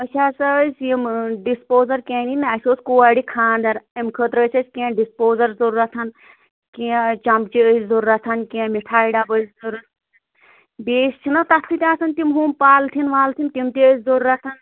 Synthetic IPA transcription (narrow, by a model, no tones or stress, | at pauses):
ət͡ʃʰʲaːsɐəsʲjimɖispoːzɐɾkẽːninɐsʲoːskuːaːɽikʰaːnd̪ɐɾimkʰət̪ɾəsʲɐsʲkẽːɖispoːzɐɾzuɾːɐt̪ʰɐn | ket͡ʃɐmbt͡ʃiəszuɾːɐt̪ʰɐnkʲẽmiʈʰaːiɖabəszuɾɐt̪ʰ | beːst͡ʃʰinɐt̪ɐst̪ʰːit̪ʲaːsɐnt̪imɦuːmpaːlt̪ʰinʋaːlt̪ʰint̪imt̪eəszuɾːɐt̪ʰɐn